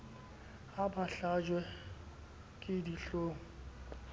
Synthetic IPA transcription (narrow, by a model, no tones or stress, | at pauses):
abaɬad͡ʒwɛ | kʼɪdiɬoːŋ̩